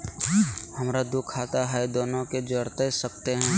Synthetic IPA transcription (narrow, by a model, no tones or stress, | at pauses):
həmɾad̪ʊkʰːaːt̪aɦɛd̪oːnõked͡ʒəɽt̪esək̚t̪eɦɛ̃ː